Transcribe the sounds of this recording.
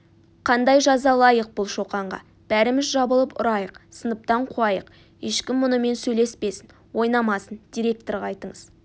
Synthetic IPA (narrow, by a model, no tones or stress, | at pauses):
qʰɑnd̪ɑjʒɑzɑlˠɑjəq̚bʊlˠʃo̞qɑɴʁɑ̰ | b̥æɾɪmɪzʒɑbəlˠəpʊ̰ɾɑjəqsənəp̚t̪ɑɴqʰuɑjəq | eʃkʲɪmːʊnəme̞nsɵjle̞spe̞sɪn | wo̞jnɑmɑsənd̪̥ijɾe̞k̚t̪o̞ɾʁɑɑjt̪əɴəz